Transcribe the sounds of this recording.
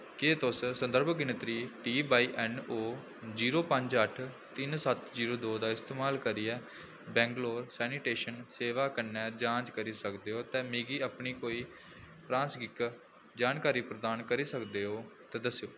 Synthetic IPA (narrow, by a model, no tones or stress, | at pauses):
ket̪ʊssənd̪əɾbɡɪnɪt̪ɾiːʈiːbaːiːʔɛːnoː | d͡ʒiːɾoːpəɲd͡ʒəʈʰ | t̪ɪnsət̪d͡ʒiːɾoːd̪oːd̪aːɪst̪eːmaːlkəɾiːɛː | bɛ̃ːŋɡloːɾsɛːniʈeːʃənseːʋaːkənɛ̃ːd͡ʒãːd͡ʒkəɾiːsəkd̪eːɦoːt̪ɛ̃ːmeːɡiːəpɳiːkoːiː | pɾãːnsɡɪk | d͡ʒaːnkaːɾiːpɾəd̪aːnkəɾiːsəkd̪eːɦoːt̪ɛːd̪əsejoː